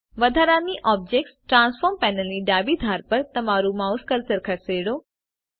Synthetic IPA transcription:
ʋɐd̪ʱaːɾaːniʔɔːb̚d͡ʑeːk̚ʈsʈɾãːnsfɔːɾmpɛːnəliɖaːbid̪ʱaːɾpɐɾt̪ɐmaːɾumaːʊskɐɾsəɾkʰɐseːɽoː

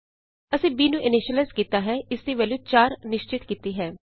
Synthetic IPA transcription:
əsĩːbiːnũːʔɪnɪʃəleːskiːt̪aːɦɛːɪsd̪iːʋɛːluːt͡ʃaːɾnɪʃt͡ʃɪt̪kiːt̪iːɦɛː

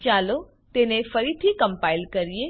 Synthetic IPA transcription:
t͡ʃalo | t̪enefəɾit̪ʰikəmpailkəɾie

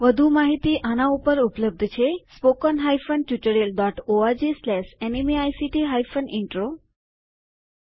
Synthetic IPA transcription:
ʋəd̪ʱumaɦit̪iːʔanãupəɾupləb̚d̪ʱt͡ɕʰespokɔnɦajfənʈjiʈəɾelɖɔʈoad͡ʑislɛʂenemiajsiʈiɦajfəniɳʈɾo

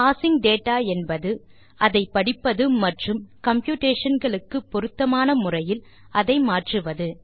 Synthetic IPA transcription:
paːsɪŋɡɖeːʈːaːɛnbɐðɯ | ʔɐðɐɪpːɐɽɪpːɐðɯmɐʈrɯmkɐmpjuːʈeːʂɐnɡɐɭɯkːɯpːɔɾɯt̪ːɐmaːnɐmʊrɐjɪl | ɐðɐɪmaːʈrɯʋɐðɯ

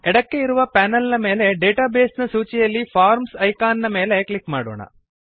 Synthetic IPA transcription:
ɛɽɐkːe̞iɾuʋɐpaːnɐlnɐmeːle̞ɖeːʈaːbeːsnɐsuːt͡ʃijɐlːipʰaːɾmsɐjkaːnnɐmeːle̞klikmaːɽo̰ːɳɐ̰

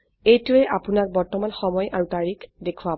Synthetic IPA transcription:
ejtuɛʔapʊnak̚bɔɹtɔmanxɔmɔjʔaɹutaɹikdekʰuwa

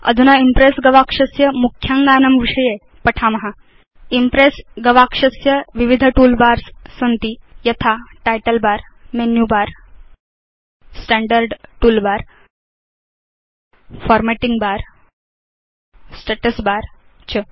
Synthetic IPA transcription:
ə̰d̪ʱunaimpɾesɡəʋakʂəsjəmukʰjaŋɡanəmʋiʂəje | pəʈʰamɐɦa | impɾesɡəʋakʂəsjəʋiʋid̪ʱəʈuːlbaɾssənt̪ijət̪ʰaʈajʈəlbaɾmenjubaɾ | sʈæɳɖəɾɖʈuːlbaɾ | fɔɾmeʈiŋɡbaɾ | sʈeʈəsbaɾ | t͡ɕə

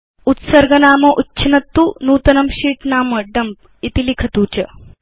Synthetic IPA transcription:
ut̪sɐɾɡɐnaːmɐʔutːɕʰɐnɐt̪ːunuːt̪ɐnɐmɕiːʈnaːməɖɐmp̚ | it̪ilikʰɐt̪uːt͡ɕɐ

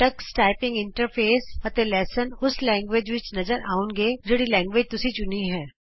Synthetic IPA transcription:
ʈɐksʈaːɪpɪ̃ŋɡɪ̃ɳʈəɾpʰeːsɐt̪elɛːsənʊslɛ̃ːŋɡʋeːd͡ʒʋɪt͡ʃnɐzəɾaːʊnɡeːd͡ʒeɽilɛ̃ːŋɡʋeːd͡ʒt̪ʊsit͡ʃʊniɦɛː

